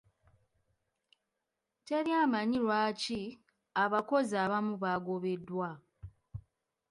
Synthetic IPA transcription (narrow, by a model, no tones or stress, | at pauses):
te̞ɾjaːmaɲiɾwaːci | aβako̞zaːβamuβaɡo̞βe̞dːwa